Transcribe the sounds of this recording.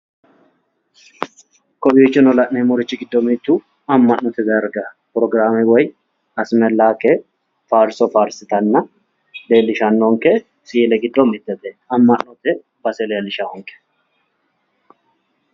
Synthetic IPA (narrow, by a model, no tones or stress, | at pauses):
kɔbiɪt͡ʃːɪnɔlɐʔnemɔɾɪt͡ʃːɪɡɪd̪ːɔmɪt̪ːu | ɐmːɐnnɔt̪ɛzɐɾɡɐ | pɾɔɡɾaːmɪwɔj | ɐsmɛlːaːkːɛ | faːɾsɔfaːɾsɪt̪ɐnːɐ | le̞ːlːɪʃɐnːɔŋkɛ | siːlɛɡɪd̪ːɔmɪt̪ːɛt̪ɛɐmːɐnnɔt̪ɛ | bɐsɛleːlɪʃahɔŋkːɛ̥